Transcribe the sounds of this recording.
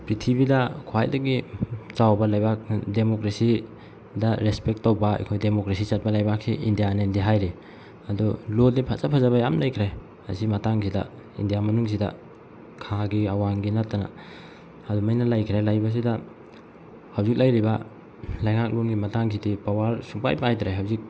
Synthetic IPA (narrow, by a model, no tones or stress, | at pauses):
pɾitʰibidɐkʰoajdɐɡit͡ʃawbɐlajbak̚demokɾesi | dɐɾespek̚tawbɐḛjkʰojdemokɾesit͡ʃat̚bɐlajbak̚siʔindijanendiɦajɾi | ɐduloldipʰat͡ʃapʰazaβajamlajkʰɾaj | ha̰simɐtaŋsʰida̰ | ḭndijamɐnuŋs̬ida̰ | kʰaɡiawanɡinatːana̰ | ɐdumajnalajkʰɾajlajbas̬ida | hawzik̚lajɾibɐ | lajŋak̚lunɡimɐtaŋsʰidipawaɾsupa̰jpajdɾajɦawzik̚